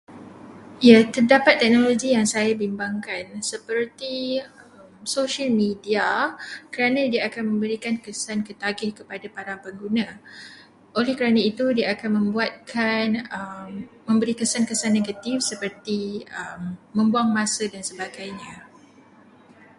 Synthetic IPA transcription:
ijat̪ərdapat̪ːɛk̚noloɡijaŋsajabimbaŋkansəpərt̪i | əmsoʃalmidiakəɾanãdiaːkanmə̃mbəɾikankəsankət̪aɡɪhkəpadapaɾapəŋɡunã | ʔolɛhkəɾanãit̪udiaːkanmə̃mbuat̪̚kʰanəmːə̃mbəɾikəsankəsanːeɡat̪ifsəpərt̪iəmːə̃mbuaŋmãsədansəbaɡajɲã

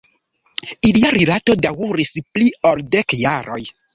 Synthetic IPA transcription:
iliaɾilato̞dawuɾisplioldekjaɾo̰j

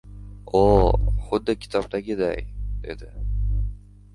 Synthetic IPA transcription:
oχʊd̪ːɪkʲʰɪ̥t̪ʰɒb̚d̪aɡʲɪd̪a̰jd̪e̞̰d̪ɪ

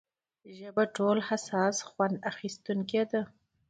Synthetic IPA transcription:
ʒəbaʈolhasɑsxwand̪axist̪uŋked̪a

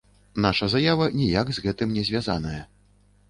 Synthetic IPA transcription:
naʂɐzajavɐnʲijaɡzɣɛt̪ɨmnʲɛzʲvʲaza̰n̪ɐjɐ

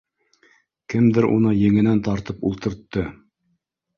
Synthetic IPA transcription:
kɘmd̪ɘɾṵnɤjɘ̆ŋɘ̆nænt̪ɑɾt̪ɤpulˠt̪ɤ̆ɾt̪ːɤ

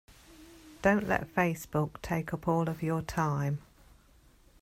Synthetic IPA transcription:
d̥ə̃ʊ̃nʔlɛ̰tfeɪsb̥ʊktʰeɪkʰʌpʰɔːləvjətʰãɪ̃m

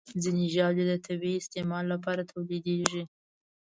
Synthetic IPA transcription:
zɪniʒɑled̪ət̪ʰabiɪst̪emɑlːapɑɾat̪ʰawled̪eʒi

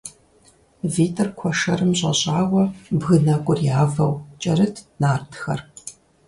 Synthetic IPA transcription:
viːtʰʼɐrkʷʰɔʂɐɾɨmɕʼɐ̰ɕʼaːwɐbɣɨnɐkʷʼʊrjaːvɐwt͡ʃʼɐɾɨtʰnaːrtʰxɐ̰r

